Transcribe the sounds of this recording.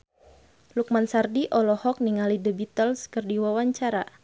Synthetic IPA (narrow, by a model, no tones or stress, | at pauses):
luk̚mansardiʔɔlɔhɔk̚niŋalidəbit̪əlskərdiwawaɲt͡ʃaɾa